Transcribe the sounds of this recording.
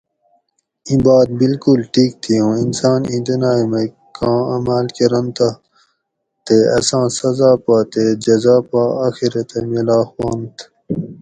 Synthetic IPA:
ĩbaːd̪̚bilkulʈʰiːk̚t̪ʰijõːinsaːnĩnt̪inaːimẽ | kãːɐmaːlkeɾɐ̃nt̪a | t̪eɐ̰sãːsɐzaːpaːt̪ed͡ʑɐzaːpaːaːxiɾet̪emelaːxwaːnt̪

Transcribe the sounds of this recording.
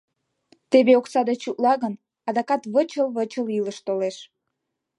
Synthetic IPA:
t̪eβeoksɑd̪et͡ɕut̪lɑɣən | ɑd̪ɑkɑt̪βət͡ɕəlβət͡ɕəliləʃt̪oleʃ

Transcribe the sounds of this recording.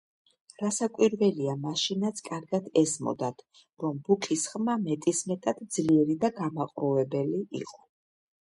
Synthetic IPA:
ɾasakʼwiɾvɛliamaʃinat̪sʰkʼaɾɡad̪ɛzmɔ̰d̪at̪ʰ | ɾɔmbukʰisχmamɛt̪ʼismɛt̪ʼad̪̥d̪zliɛɾid̪aɡamaqʼɾɔvɛbɛliʔḭqʼɔ̥

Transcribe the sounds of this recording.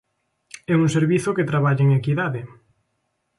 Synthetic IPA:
ɛuŋseɾβiθʊket̪ɾaβaʎeŋekiðaðe

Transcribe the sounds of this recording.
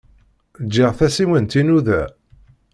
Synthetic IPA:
d͡ʒːɪʁθæsiwənt̪inuðæ

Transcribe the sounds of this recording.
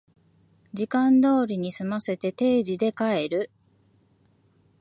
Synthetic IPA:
d͡ʑikãnd̪o̞ːɾʲiɲ̟isɨmase̞t̪e̞t̪e̞ːʑid̪e̞kae̞ɾɯ̟

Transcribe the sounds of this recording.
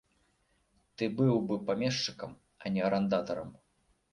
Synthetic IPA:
t̪ɨbɨwbɨpamʲɛʂt͡ʂɨkɐm | ɐnʲɛɐɾɐnd̪at̪ɐɾɐ̰m

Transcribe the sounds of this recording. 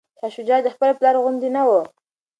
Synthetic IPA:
ʃɑʃud͡ʒɑd̪əxpəleplɑɾoɣʊnd̪inawo

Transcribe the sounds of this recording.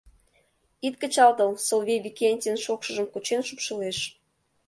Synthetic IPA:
it̪̚kə̆t͡ɕɑlt̪əlsolβeβʲikʲenʲt̪ʲenʃokʃə̆ʒəmkut͡ɕenʃupʃə̆leʃ

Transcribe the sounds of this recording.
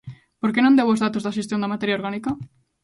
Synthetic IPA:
poɾkenõnd̪ewozðat̪ozðaʃ̬est̪jond̪amat̪eɾjaoɾɣanika

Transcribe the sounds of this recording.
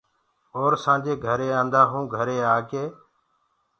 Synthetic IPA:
oːɾsãːd͡ʒeːɡʱəɾeːãːnd̪aːɦũːɡʱəɾeːaːɡeː

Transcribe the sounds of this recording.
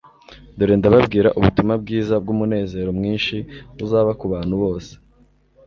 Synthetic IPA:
doɾeːndaβabɡiːɾaʔuβutumab̚ɡiːzab̚ɡumune̞ːze̞ːɾo̞mŋiːnʃiβuzaːβakuβaːn̥huβo̞ːse̥

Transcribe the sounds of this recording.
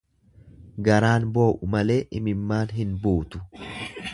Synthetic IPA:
ɡɐɾaːnbo̞ːʔʊmɐle̞ːʔɪmɪmːaːnɦɪnbuːt̪ʊ̥

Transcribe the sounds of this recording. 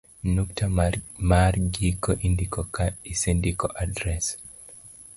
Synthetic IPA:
nuk̚tʰamarɡikoʔindikɔkaisindikɔʔadɾɛs

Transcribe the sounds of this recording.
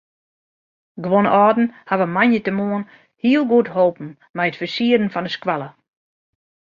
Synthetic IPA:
ɡʋonɔːdn̩haʋəmanjətəmoən | hiəlˠɡuəthoːpn̩ | mɛjətfəsiədn̩fɔnəskwalˠə

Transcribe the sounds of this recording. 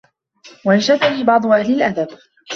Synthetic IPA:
waʔanʃad̪aniːbɑʕd̪ˤʊʔahlɪlʔaðab

